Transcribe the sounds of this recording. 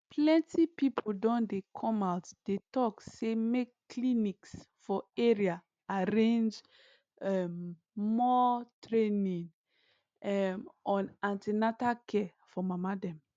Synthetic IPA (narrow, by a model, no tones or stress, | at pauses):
pʰlɛ̃ntipipʰodɔ̃ndekʰɔ̃maʊtd̥etɔksemekː | liniks | fɔɛɹia | aɾẽnd͡ʒ | ɛm | mɔtɹenĩŋ | ɛmʔɔ̃nãntinatakɛ | fɔmamadɛ̃m